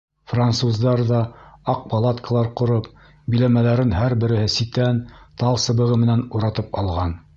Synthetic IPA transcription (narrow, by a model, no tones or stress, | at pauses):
fransuzd̪ɑɾðɑɑq̚pɑlˠat̪kəlˠɑɾqŏɾop̚ | bĭlæmælæɾɘnɦæɾbɘ̆ɾɘ̆hɘsit̪ænt̪ɑlˠsɤ̆βɤ̆ʁɤmɘ̆nænuɾɑt̪ɤpɑ̰lˠʁɑn